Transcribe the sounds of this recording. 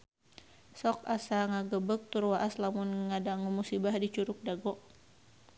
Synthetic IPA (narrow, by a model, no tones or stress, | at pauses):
sɔkasaŋaɡəbək̚t̪urwaʔaslamʊnŋadaŋumusibahdit͡ʃuɾʊk̚daɡɔʔ